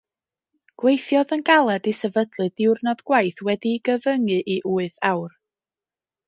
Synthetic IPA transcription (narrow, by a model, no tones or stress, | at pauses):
ɡ̥wejθjɔðənɡalˠɛdisɛvədlˠɨdɪwrnɔdɡ̥wajθwɛdiɡəvəŋɨʔiʔuːɨðawr